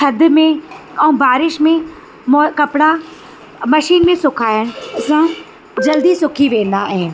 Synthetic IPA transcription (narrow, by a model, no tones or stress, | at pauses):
tʰɐd̪mẽ | ɐ̃ũbaːɾɪʃmẽ | mːkɐpɽa | mɐʃiːnmẽsʊkʰaːjənɐsã | d͡ʒɐld̪isʊkʰiʋẽːnd̪aɦẽːn̆